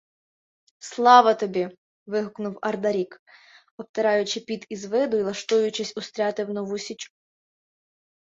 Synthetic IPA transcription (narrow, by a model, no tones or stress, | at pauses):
slˠɑʋɐt̪ɔbʲi | ʋɪɦʊknʊwɐrd̪ɐɾʲik | ɔp̚t̪eɾɑjʊt͡ʃɪpʲid̪izʋɪd̪ʊilˠɐʃt̪ujʊt͡ʃɪsʲʊst̪ɾʲɑt̪ɪwnɔʋusʲit͡ʃu